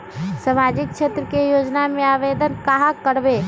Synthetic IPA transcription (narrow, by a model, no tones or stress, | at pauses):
səmaːd͡ʒɪk̚t͡ʃʃʰeːt̪ɾəkejoːd͡ʒnamẽaːʋed̪ənkaɦãkəɾbe